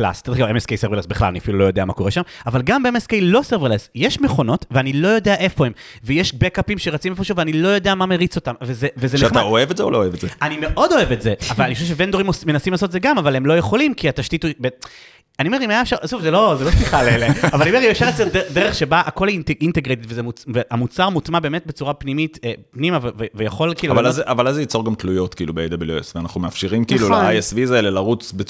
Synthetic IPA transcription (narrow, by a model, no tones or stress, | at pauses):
la̰st̪ed̪χɡavemeskejseʁvlesbiχla̰lania̰filulo̞jo̞d̪eama̰ko̞ʁeʃamavalɡambeemeskejlo̞seʁvelesjeʃmeχo̞no̞tveanilo̞jo̞d̪eaʔe̞fo̞hemvejeʃbekapimʃeʁat͡simefoʃuveanilo̞jo̞d̪eamameʁit͡so̞t̪amvezevezeneataoevetzeolooevetzeanime̞ʔo̞do̞evetzeavalaniχoʃeʃevend̪o̞ʁimosmenasimlaːsot̪̬ezeɡamavalemlo̞jeχo̞limkiataʃt̪itube | aniomeimajafʃasufzelo̞zelo̞sliχaleeleavaaniomeimeʃeʁett͡seded̪eʁeχʃe̞baʔako̞latʔinteɡʁet̪itvezemuveʔamut͡saʁmut̪mabe̞ːme̞t̚bet͡suʁapnimitepnimavevevejaχo̞lkiːluavvalazʔavalazjit͡so̞ʁɡamt̪lujo̞t̪kiːlubeejd̪abiljuesveanaχnumeafʃiʁimkiːlulaajesvizaelelaʁut͡sbe